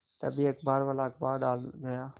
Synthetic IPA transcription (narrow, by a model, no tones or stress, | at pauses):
t̪ə̰biəkbaːɾʋəlaːɪk̚baːɾɖaːlɡəjaː